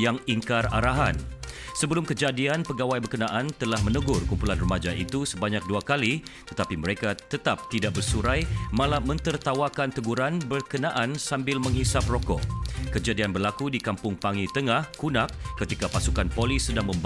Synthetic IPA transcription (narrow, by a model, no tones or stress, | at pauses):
jaŋiŋkaraɾaɦan | səbəlʊmkəd͡ʒadianpəɡawajbərkənaʔant̪əlahmə̃nəɡʊrkumpulanrəmad͡ʒaʔḭt̪usəbaɲak̚duakalit̪ət̪apiməɾekat̪ət̪ap̚t̪idak̚bərsuɾajmãlamə̃nt̪ərt̪awakant̪əɡuɾanbərkənaʔansambɪlmə̃ŋɦisap̚rɔkɔʔkəd͡ʒadianbərlakudikampʊŋpaŋit̪əŋahkunak̚ːət̪ikapasukanpolisːədaŋmə̃mb